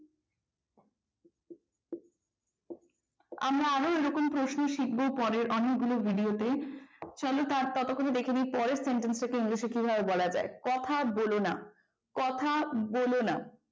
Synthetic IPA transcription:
amɾaaɾoeɾɔkompɾoʃnoʃik̚bopɔɾeɾʔɔnek̚ɡulobʱiɖiot̪et͡ɕɔlot̪aɾt̪ɔt̪okːoned̪ekʰenipɔɾeɾseɳʈensʈakeiŋliʃeɾkibʱabebɔlad͡ʑa̰ekɔt̪ʰabolona̰ | kɔt̪ʰabolona

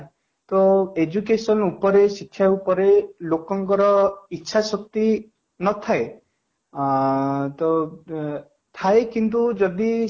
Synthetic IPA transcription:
t̪ɔed͡ʒukesɔnupɔɾesikʰːjaupɔɾelokɔŋkɔɾɔitːʃʰasɔk̚t̪i | nɔt̪ʰae | t̪ɔ | t̪ʰaekint̪ud͡ʒɔd̪i

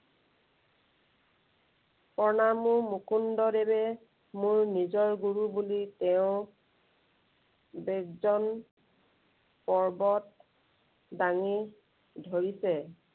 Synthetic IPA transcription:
pɔɹnamumukundɔdɛbɛ | mʊɹnizɔɹɡuɹubulitɛʊ̃ | bekzɔn | pɔɹbɔt̚ | daŋi | dʱoɹisɛ

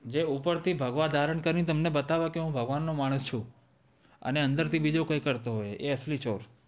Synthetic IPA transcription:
d͡ʒeupəɾt̪ʰibʱəɡʋad̪ʱaɾəɳkəɾĩt̪̬əmnebət̪aʋakeɦũbʱəɡʋanːomaɽ̃əst͡ʃʰũ | ə̰neə̃nd̪əɾt̪ʰibid͡ʒokə̃ikəɾt̪oɦojeəslit͡ʃoɾ

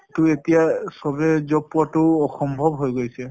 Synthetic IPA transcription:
tʊetijasɔbɛzɔpuatʊɔxɔmbʱɔbɦojɡojsɛ

